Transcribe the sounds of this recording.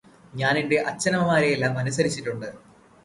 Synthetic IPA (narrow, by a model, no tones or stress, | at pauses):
ɲaːniɳɖe̞ʔɐt͡ɕːɐnɐmɐmaːɾejelːaːmɐnusɐɾit͡ɕːiʈːuɳɖɨ